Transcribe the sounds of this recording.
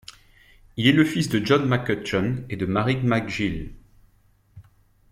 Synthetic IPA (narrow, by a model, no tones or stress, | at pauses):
ilɛləfisd̪əʒɔnmakət͡ʃɔned̪əmaʁidmaɡʒil